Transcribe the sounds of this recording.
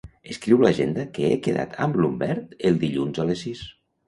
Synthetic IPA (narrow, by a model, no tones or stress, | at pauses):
əskɾiwləʒend̪əkeekeða̰t̪ʰəmblumbɛɾt̪əlˠd̪iʎunzalesis